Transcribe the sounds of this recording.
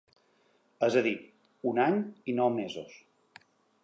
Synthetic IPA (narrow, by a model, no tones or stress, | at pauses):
əzəðit̪ | unaɲinɔwmezo̰s